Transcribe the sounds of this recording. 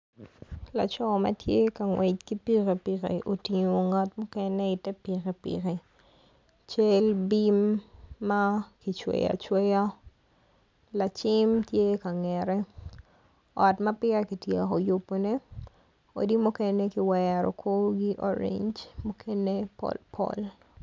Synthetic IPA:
la˨t͡ʃɔ˦mɐ̰˦tje˦ka˨ŋwe˨t͡ʃki˦pi˦ke˨pi˨kḛ˨ʔo˨ti˨ɲo˨ŋa˨tmʊ˦kɛ˦ne˦ɪ˨tɛ˦pi˨ke˨pḭ˨ke˨ | t͡ʃe˦lbi˦mː | a˦ki˨t͡ʃwḛ˨ja̰˨t͡ʃwe˦ja˦ | la˨t͡ʃɪ˦mtje˦ka˨ŋɛ˨ɾɛ˦ | ɔ˨tma˦pɪ˦a˦ki˨tje˨a˨ko˨jo˨pːo˨ne˦ | o̰˨di˦mu˦kɛ˦ne˦kiwɛɾɔ̰˨kʰo˦ɡi˦ʔɔ̰˦ɾḛ˨ɲd͡ʒmu˦kʰe˦ne˦pɔ̰lpʰɔ̰˦l

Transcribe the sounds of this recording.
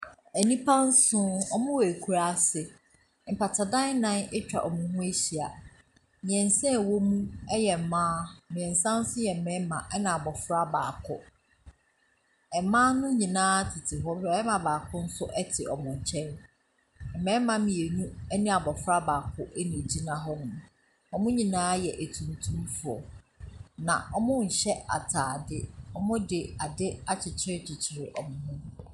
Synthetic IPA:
æ˨nĩ˦pʰã˦n̩˦sʊ̃˦ɔ˦mʊ̃˦wæ˨æ˨kʰu˦ɾa˦˨sɪ˨ | m̩˨pʰa˨tʰa˨dã˦nã˦nɪ˦t͡ɕᶣa̰˨ʔɔ˨mʊ̃˨hʊ̃˦e˦ɕi˨a˨ | mĩ˨ɛ̃˨n˨sɛ̃˦˨wo˦mũ˦ɛ˦jɛ˨m̩˨mãː˦mĩ˨ɛ̃˨n̩˨sã˦n̩˦sʊ̃˦jɛ˨m̩˨mɛ̃˦mã˨ʔɛ˦nã˨a˨bɔ˨fɾa˦baː˨kʰʊ˦ | ɛ˨mã˦nʊ̃˦ɲĩ˨nãː˦tʰɪ˨tʰɪ˨ɦɔ˦bɛ˦mã˨baː˨kʰʊ˦n̩˦sʊ˦ʔɛ˦tʰɪ˨ʔɔ˨mʊ̃˨ɲ̩˨t͡ɕʰɛ̃˦n | m̩˨mɛ̃˦mã˦mĩ˨e˨ɲũ˦ɛ˦nĩ˦a˨bɔ˨fɾa˦baː˨kʰʊ˦ʔɛ˦nĩ˨d͡ʑi˦nã˦ɦɔ˦nʊ̃˨m˨ | ɔ˦mʊ̃˦ɲĩ˨nãː˦jɛ˨ʔæ˨tʰũ˨n˨tʰũ˦mfʊ˨ɔ˨ | nã̰˨ʔɔ˨mʊ̃˦ɲ̩˨ɕɛ˦a̰˨tʰaː˨dɪ˦ɔ˨mʊ̃˦dɪ˨a˨dɪ˦a˦t͡ɕʰɪ˨t͡ɕʰɪ˦ɾɪ˦t͡ɕʰɪ˨t͡ɕʰɪ˨ɾɪ˨ʔɔ˨mʊ̃˨ɦʊ̃˦

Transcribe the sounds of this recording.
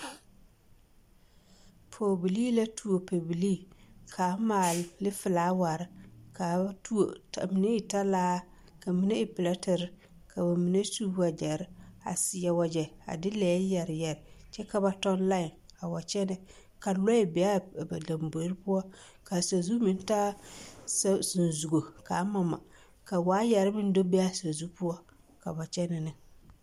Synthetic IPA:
pʰoː˨bi˨liː˦la˦tʰu˨o˨pe˨bi˨liː˦˨kʰa˨˦maː˨llɪ˦fɪ˨laː˨˦wa˨ɾɪ˦ka˨˦tʰu˦o̰˨ta̰˨mi˨ne˦ɪ˨ta˦laː˦ | ka˨mi˦ne˦ɪ˦˨pɪ˨la˦tɪ˨ɾɪ˦ | kʰa˨ba˨mi˨ne˦tu˦a˨d͡ʒɛ˨ɾɪ˦a̰˨sɪ˨ja˨wa˨d͡ʒɛ˨a̰˨dɪ˦lɛː˨˦jɛ˨ɾɪ˨jɛ˨ɾɪ˨t͡ʃɛ˦ka˦ba˨tɔ˦n˦la˦ɪ˨n | a˨wa˨t͡ʃɛ˦nɪ˨ | ka˨lɔ˦ɪ˨bɛ˨a˦˨ba˨da˨mbo˨˦ɾɪ˦pʊ˦ɔ˦ | ka˨sa˨zu˦mɪ˦n˦ta˦ | ssɪ˨n˨zu˨ɡo˨ka˨˦ma˨ma̰˨ | ka˨waː˨˦jɛ˨ɾɪ˦mɪ˦n˦do˦be˦a˦sa˨zu˦pʊ˦ɔ˦ | ka̰˨ba˨t͡ʃɛ˦nɪ˨nɪ˨

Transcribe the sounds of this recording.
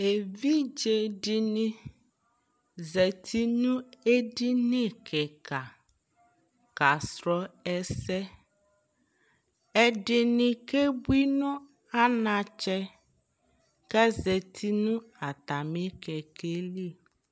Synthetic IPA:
e˨vi˦d͡ʒe˨dɪ˦nɪ˦ | ze˨tʰi˦nũ˦e˦di˦ne˦kʰe˨ka˨ | ka˨sɾɔ˦ɛ˦sɛ˦ | ɛ˦dɪ˦nɪ˦ke˦bʷi˦nʊ˦ | a˦na˨t͡ʃɛ˦ | kɛ˦ze˨tʰi˦nʊ̃˦a˨ta˨me˦kɛ˨ke˦li˦˨

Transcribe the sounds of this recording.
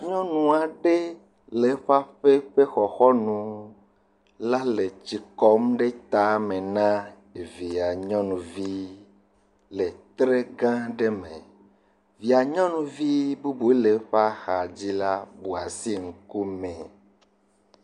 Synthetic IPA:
ɲɔ̃˦nũ˨a˨ɖe˦ | le˨˦ɸa˦ɸe˦ɸe˦xɔ˨xɔ˦nũ˨ | la˦le˨t͡ɕi˨kɔ˦mɖe˦t̪a˨mẽ˨nã˦ | e˨vi˨a˨ɲɔ̃˦nũ˨vi˦ | le˨t̪ɾe˦ɡã˦ɖe˦mẽ˨ | vi˨a˨ɲɔ̃˦nũ˨vi˦bu˦bu˨˦e˦le˨ɸa˦xa˨d͡ʑi˦la˦bu˨a˨si˦ŋ̩˨ku˦mẽ˨

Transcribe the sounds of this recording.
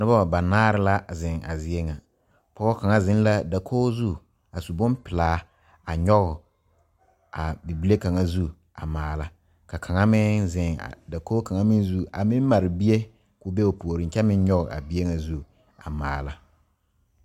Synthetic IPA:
nʊ˦ba˦˨ba˨naː˦ɾɪ˦la˦zɪ˨ŋa̰˨zɪ˦e˦ŋa˨ | pɔ˦ɣɔ˦ka˨ŋa˦zɪ˦n˦la˦da˨kʰoː˦zu˦ | a˨su˨bʊ˦mpɪ˨laː˦ | a˨ɲɔ˦ɣʊ˨ | a˨bi˨bi˦le˦ka˨ŋa˦zu˦ | a̰˨maː˨la˦ | ka˨kʰa˨ŋa˦mɪ˦zɪ˨ŋa̰˨da˨ko˦ka˨ŋa˦mɪ˦n˦zu˦a˨mɪ˦m˦ma˨ɾɪ˨bi˦e˦ | kʊ˨be˦o˨pu˨o˨ɾɪ˨˦t͡ʃɛ˦mɪ̃˦n˦ɲɔ˦ɣʊ˨ʔa̰˨bi˦e˦ŋa˨zu˦ | a˨maː˨la˦

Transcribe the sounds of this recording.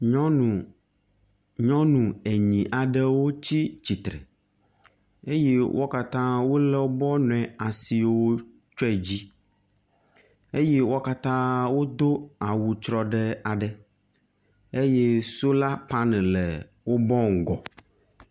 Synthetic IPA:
ɔ˦˨ | ɲɔ̃˦nũ˨e˨ɲĩ˨ʔa˨ɖɛ˦wo˦t͡ɕi˦t͡ɕi˨t̪ɾɛ̰˨ | e˦je˦wʔo̰˦ka˦t̪ã˦wo˦lɛ˦wo˦bɔ˦nɔ̃˨ɛ̃˨a˨si˨˦wo˦ | t͡ʃɛ˦˨d͡ʑi˦ | e˦je˦wo˦ka˦t̪ã˦wo˦d̪o˦a˨wu˨t͡ʃɾɔ˦ɖɛ˦a˨ɖɛ˨ | e˦je˦so˦la˦pa˦nɛ̃˨lɛ˨ | wo˦bɔ˦ŋ̩˨ɡɔ˨

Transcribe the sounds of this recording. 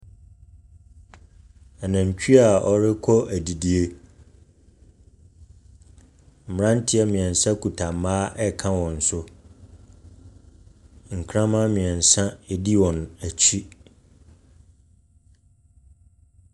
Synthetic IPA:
ɛ˨nã˨ɲ˨t͡ɕᶣi˦a˨ɔ˨ɾɪ˦kʰɔ˦æ˨di˨di˨e˦ | m̩˨m˨ɾã˦n̩˦tʰɪ˦ɛ˦mĩ˨ɛ̃˨n˨sã˦kʰu˨tʰa˨mãː˦ʔɛ˦kʰã˦wɔ̃˨n̩˨sʊ˦ | ŋ̩˨kʰɾã˦mã˦mĩ˨ɛ̃˨n˨sã˦e˦di˦wɔ̃˨næ˨t͡ɕʰi˦

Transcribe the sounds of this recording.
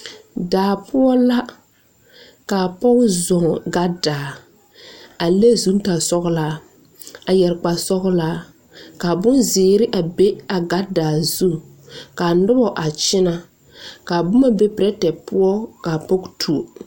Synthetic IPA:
daː˨pʊ˦ɔ˦la˦ | ka˨pɔ˦kzɔ˨ŋɡa˦daː˨ | a˨le˦zu˦n˦ta˨sɔ˦ɣlaː˦ | a˨jɛ˨ɾk͡pa˨sɔ˦ɣlaː˦ | ka˨bʊ˦nzɪː˨ɾɪ˦ʔa˨be˦a˨ɡa˦daː˨zu˦˨ | ka˨nʊ˦bɔ˨ʔa˨t͡ʃɪ˦na˦ | kaː˨bʊ˦ma˦be˦pɪ˨ɾɛ˦tɛ˨pʊ˦ɔ˦ka˨pɔ˦ɡtʰu˨o˨

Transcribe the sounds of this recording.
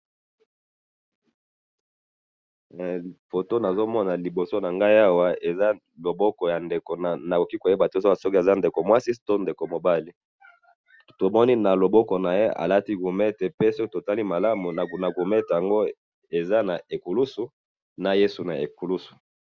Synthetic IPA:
fo˨to˦na˨zo˦mɔ˦na˨li˨bo˨so˦na˨ŋɡa˦i˦a˦wa˨e˨za˦ | lo˨bɔ˦kɔ˨ja˨nde˨ko˨na˨na˨ko˨ki˦ko˨je˦ba˨to˦a˨sɔ˦ki˦e˨za˦nde˨ko˨mwa˦si˦to˦nde˨ko˨mo˨ba˦li˦ | to˨mɔ˦ni˦na˨lo˨bɔ˦kɔ˨na˨je˦a̰˨la˦ti˦ɡu˨me˦te˨pe˦sɔ˦ki˦to˨ta˦li˦ma˨la˦mu˨na˨ɡu˨me˦te˨ja˨ŋɡo˦ | e˨za˦na˨e˨ku˨lu˦su˨ | na˨je˦su˨na̰˨e˨ku˨lu˦su̥˨

